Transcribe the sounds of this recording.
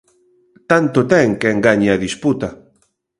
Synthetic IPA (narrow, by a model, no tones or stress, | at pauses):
t̪ant̪ot̪ɛŋkeŋɡaɲeɐðisput̪ɐ